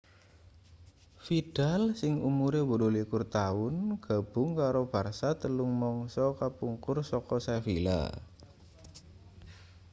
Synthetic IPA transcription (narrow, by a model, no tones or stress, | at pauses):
fid̥alsɪŋumuɾebodolikʊrt̪aʊnɡ̥a̤b̥ʊ̤ŋkaɾob̥arsat̪əlʊŋmɔŋsɔkapuŋkʊrsɔkɔsafila̰